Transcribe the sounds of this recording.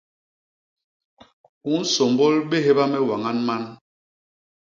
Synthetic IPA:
u˨˦n̩˦sɔ˨mbɔ˦lɓe˦ɦe˦ba˦mɛ˦wa˨ŋa˦nma˦n

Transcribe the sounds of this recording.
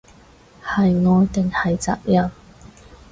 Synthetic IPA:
hɐ˨jŋɔː˨˧t̪ɪ˨ŋhɐ˨jt͡sa̰ː˨p̚jɐ˨˩n

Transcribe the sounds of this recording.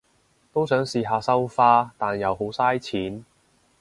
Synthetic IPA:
t̪o˥wsœː˨˥ŋsiː˧ɦaː˨˧sɐ˥wfaː˥t̪aː˨njɐ˨wɦo˨˥wsaː˥jt͡sʰiː˨˥n

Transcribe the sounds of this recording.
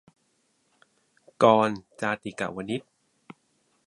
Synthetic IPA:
kɔː˧nt͡ɕaː˧t̪i˨˩ka̰˨˩wa˧nːi˦˥t̪̚

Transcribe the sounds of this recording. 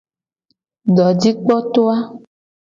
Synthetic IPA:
ɖɔ˨d͡ʒi˦k͡pɔ˦t̪o˦a˦

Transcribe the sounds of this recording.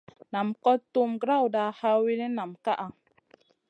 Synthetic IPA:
na˨mkɔ˦tːu˦mɡɾa˦wda˨ha˦wi˦li˦na˨mka˦ʔa˨

